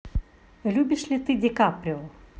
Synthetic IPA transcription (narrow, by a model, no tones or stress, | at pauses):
lʲubʲɪʂlʲit̪ɨdʲekapɾʲoɔ